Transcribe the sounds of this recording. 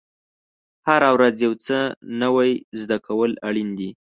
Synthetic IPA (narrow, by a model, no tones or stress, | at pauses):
haɾawɾazjawt͡sənəwajzd̪akawəlaɽind̪i